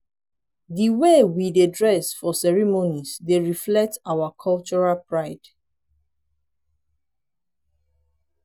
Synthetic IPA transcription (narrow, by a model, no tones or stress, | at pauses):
diwewidedɹɛsfɔsɛɹimonisdeɹiflɛk̚tawakʰɔlt͡ʃɔɹalpʰɹaɪd̥